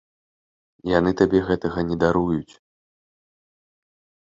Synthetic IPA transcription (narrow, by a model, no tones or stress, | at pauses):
janɨt̪abʲɛɣɛt̪ɐɣɐnʲɛd̪aɾujut͡sʲ